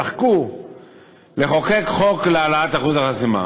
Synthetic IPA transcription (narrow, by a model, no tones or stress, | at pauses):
aχku | le̞χo̞ke̞kχo̞klealaat̪aχuzaχasima̰